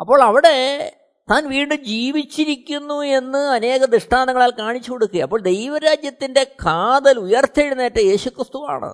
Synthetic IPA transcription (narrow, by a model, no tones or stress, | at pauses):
ɐpːo̞ːɭɐʋiɽe̞ | t̪aːnʋiːɳɖɨd͡ʑiːʋit͡ɕːiɾikʲːunːue̞nːɨɐne̞ːɣɐd̪ɨʂʈaːnɐŋɐɭaːlkaːɳit͡ɕːukoɽukːuɣɐɐpːoːɭd̪e̞jʋɐɾaːd͡ʑjɐt̪ːinde̞kʰaːd̪ɐlujɐrt̪ʰeɻunːeːtːɨje̞ːɕukrɨst̪uʋa̰ːɳɨ̰